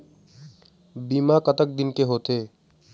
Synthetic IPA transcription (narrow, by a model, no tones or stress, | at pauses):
bimakʌt̪ək̚d̪inkeɦot̪e